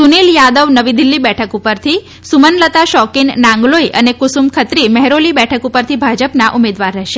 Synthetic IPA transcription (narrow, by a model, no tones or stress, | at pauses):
suneljad̪əʋnəʋid̪ilːibɛʈʰəkupəɾt̪ʰi | sumənlət̪aʃɔkinnãŋɡlojʔə̰nekʊsumkʰət̪ɾimɛɦɾolibɛʈʰəkupəɾt̪ʰibʱad͡ʒəpnaʔumed̪ʋaɾːɛɦʃe